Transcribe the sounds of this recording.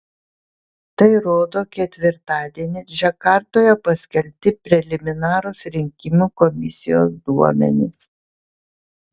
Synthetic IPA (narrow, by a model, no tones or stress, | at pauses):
t̪ɐɪɾoːd̪oːkʲɛt̪ʲʋʲɪɾt̪ɑːd̪ʲiɛnʲɪʒʲɛkɑɾt̪oːjɛpɐsʲkʲɛlʲt̪ʲɪpʲɾʲɛlʲɪmʲɪnɑːɾoːsɾʲɪŋʲkʲɪmʲukɔmʲɪsʲɪjo̰ːsd̪uɔmʲɛ̰nʲɪs